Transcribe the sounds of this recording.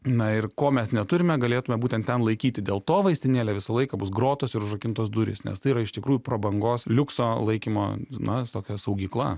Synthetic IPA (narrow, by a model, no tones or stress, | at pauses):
nɐɪrkoːmʲɛsnʲɛt̪ʊɾʲɪmʲɛɡɐlʲeːt̪ʊmʲɛbuːtʲɛnt̪tʲɛnlˠɐɪkʲiːt̪ʲɪd̪ʲeːlˠt̪oːʋɐɪsʲt̪ʲɪnʲeːlʲɛʋʲɪsɐlˠɐɪkɐbʊsɡɾoːt̪oːsɪɾʊʒɐkʲɪnt̪oːsd̪ʊɾʲɪ̰snʲɛ̰st̪ɐɪiɾɐɪʃt̪ʲɪkɾuːjʊpɾoːbɐŋɡoːslʲʊksoːlˠɐɪkʲimo̰ːnɐt̪oːkʲɛsɐʊɡʲiːklˠɐ̰